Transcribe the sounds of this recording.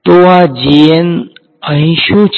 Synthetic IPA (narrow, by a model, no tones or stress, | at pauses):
t̪oad͡ʒien | əɦĩʃũt͡ʃʰ